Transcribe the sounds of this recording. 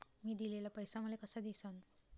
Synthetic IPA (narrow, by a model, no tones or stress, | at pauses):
miːd̪ilelapəjsaməlekəsad̪isan